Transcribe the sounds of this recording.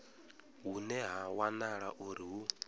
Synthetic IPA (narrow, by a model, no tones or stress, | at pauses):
ɦunɛɦawanaɺaʔuɾiɦu